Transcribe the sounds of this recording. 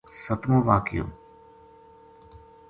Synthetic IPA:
sət̪moʋaːkɪjo̰ː

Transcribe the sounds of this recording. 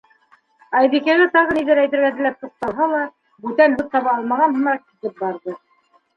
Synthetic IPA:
ɑjβikæɣɘt̪ɑʁɤniðɘɾæjt̪ɘ̆ɾɡæɘ̆læp̚t̪uq̚t̪ɑlˠɦɑlˠɑ | bʉt̪ænbut̪̚t̪ɑβɑɑlˠmɑʁɑnɦɤ̆mɾɑkit̪ɘp̚bɑɾðɤ

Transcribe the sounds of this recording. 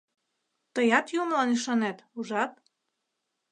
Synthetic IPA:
t̪ɤjɑt̪jumlɑniʃɑnet̪uʒɑt̪̚

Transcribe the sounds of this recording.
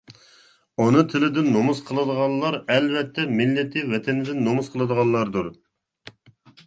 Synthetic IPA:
onɨt̪ʰɪlɪd̪ɪnːomusqʰəlˠɨd̪əʁɑnlːˠɑɾɛlvɛt̪ʰːɛmɪlːɪt̪ʰɪvɛt̪ʰɛnɪd̪ɪnːomusqʰəlˠɨd̪əʁɑnlːˠɑɾd̪uɾ

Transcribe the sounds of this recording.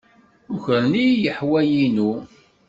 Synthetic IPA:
ʊçəɾnijəħwæjinu

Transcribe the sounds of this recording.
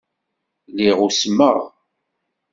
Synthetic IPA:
liʁusməʁ

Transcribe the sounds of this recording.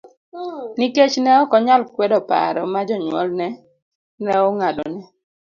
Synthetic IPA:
niket͡ʃnɛɔkɔɲalkwɛdɔpa̰ɾɔmad͡ʒɔɲwɔ̰lnɛ | nɛɔŋadɔnɛ

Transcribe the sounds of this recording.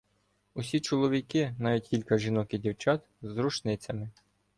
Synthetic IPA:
usʲit͡ʃɔlˠɔʋʲikɪnɑʋʲitʲkʲilʲkɐʒinɔkʲɪdʲiwt͡ʃɑt̪ | zɾut͡ʃnɪt͡sʲɐmɪ

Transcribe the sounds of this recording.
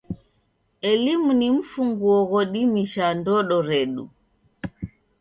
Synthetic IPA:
ɛlimunim̩fuŋɡuɔɣɔɗimiʃandɔɗɔɾɛɗu

